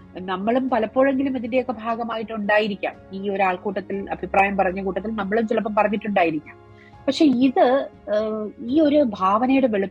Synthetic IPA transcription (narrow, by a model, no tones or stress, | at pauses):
nɐmːɐɭumpɐlɐpːo̞ːɻe̞ŋɡilumiðinde̞jo̞kːe̞bʱaːɡɐmaːjiʈːuɳɖaːjiɾikʲːa̰ːmiːo̞ɾuaːɭkuːʈːɐt̪ːilɐ̰bʱipraːjɐmpɐrɐɲːɐkuːʈːɐt̪ːilnɐmːɐɭumt͡ɕilɐp̬ːɐmpɐrɐɲːiʈːuɳɖaːjiɾikʲːaːm | pɐkʂe̞ːiðɨ | iːo̞ɾubʱaːʋɐnɐjuɽeʋeɭupː